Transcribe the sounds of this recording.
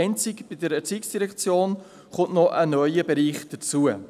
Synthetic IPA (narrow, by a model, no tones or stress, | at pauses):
ɪnt͡sɪkb̥idəɾɛt͡siːksd̥iɾɛkt͡sjoːn | χʊntnɔʔənœʏəbɛɾiːχd̥ət͡suə